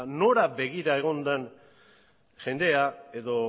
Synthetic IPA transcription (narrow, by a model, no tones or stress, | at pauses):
no̞ɾaβe̞ɣiɾae̞ɣ̞o̞nd̪an | ʝe̞nd̪e̞ae̞ðo̞